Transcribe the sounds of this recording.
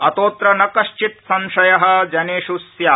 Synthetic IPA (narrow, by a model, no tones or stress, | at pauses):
ɐt̪oːt̪ɾɐnɐkɐʃt͡ʃit̪sɐnʃɐjɐɦɐ̆d͡ʒɐneːʃusjaː